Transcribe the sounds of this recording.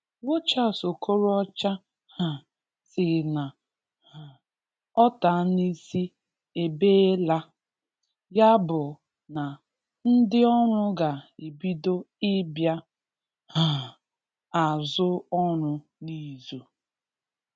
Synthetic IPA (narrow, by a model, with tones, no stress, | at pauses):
wo˦t͡ʃa˦˨so˨kʰo˦ɾɔ˦t͡ʃa˦ | ha˨ | sɪ˨na˨ | a˨ | ɔ˦ta˨˦ni˦si˦ | e˨beː˦e˦la˦ | ja˦bʊ˨ | na˨ | n̩˦dɪ˦ɔ˦ɾʊ˦ɡa˨e˨bi˦do˦ | ɪ˦bja˦ | ha˨ | a˨zʊ˦ɔ˦ɾʊ˦ | ni˦˨zu˨